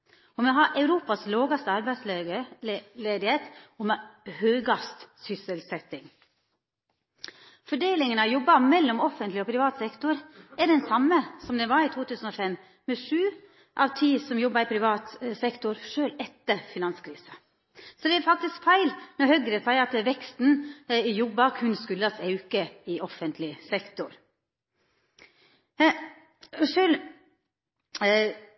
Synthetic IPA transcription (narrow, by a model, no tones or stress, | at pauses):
ɔmɛɦɑɾʔɑʉɾuːpɑsloːɡɑst̪əɑɾbæɪsl | leːd̪ɪheːt̪ɔmhøːɡɑst̪sʏsəlsɛt̪ːɪŋ | fɔɖeːlɪŋənɑjɔbːɑmɛlːɔmɔfənt̪lɪɔpʰɾɪʋɑːt̪sɛkt̪ʊɾæɖɛnsɑmːəsɔmd̪ɛʋɑɾit̪ʰuːt̪ʰʉːsənɔfɛmː | mɛʂʉː | ʔɑʋt̪ʰiːsɔmjɔbːɑɾɪpʰɾɪʋɑːt̪sɛkt̪ʊɾʂøːlɛt̪ːəɾfɪnɑnskʰɾiːsə | sɔd̪ɛɛɾfɑk̚t̪ɪskfæɪlnɔɾhœɡɾəsæɪɑt̪ʋɛkst̪nɪjɔbːɑkʰʉnskʉlːɑsɑʉkəɪɔfənt̪ʰlɪsɛkt̪ʊɾ | ʂøːl